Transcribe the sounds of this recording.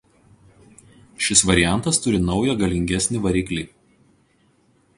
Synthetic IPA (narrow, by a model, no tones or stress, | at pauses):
ʃʲɪsʋɐɾʲɪjæˑnt̪ɐst̪ʊɾʲɪnɒʊjɛɡɐlʲɪŋʲɡʲɛsʲnʲɪʋɐɾʲiːklʲiː